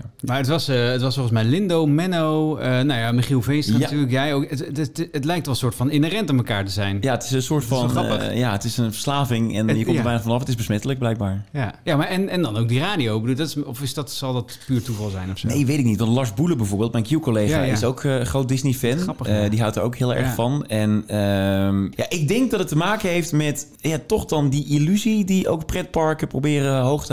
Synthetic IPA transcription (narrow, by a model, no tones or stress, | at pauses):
maɹətʋɑsəətʋɑsfoɹχəns̬mɛjlɪndowmɛnowənawjamɪχilˠvenstnatyːɹləkjɛjowkəətlɛjktʋɛlˠsʊːɹtfɑnɪnərɛntəməkaːɹtəzɛjnjaətɪ̥sənsʊːɹtfɑnɑpəjaətɪsənfəɹslaːvɪŋɛnjəkɔmtəɹʋɛjnəχfɔnɑfətɪzbəsmɛtələkɡ̚blɛjk̚baːɹjajamaɹɛnɛndɑnowk̚diraːdiowbəduːlˠdtɪɔfɪsdɔtsɑlˠdɔtpyːɹtuvɑlˠzɛjnɔfnejʋejtɪknitʋɑntlɑɹsbuləbɛjvʊːɹbeːlˠtmɛjnkjukolejχa̰ɪ̰sokχrowt̚dɪsnifɛnrpədiɦawtəɹoʊwkɦɪːlˠɛ̰ɹχfɑnɛnəmjaʔɪɡ̚dɛŋk̚dɑtətːəmaːkəɦejftmɛt | jatɔχdɑndiʔilyzidiʔo̰wkprɛt̚pɑɹkəprowbɪːrəɦowχtə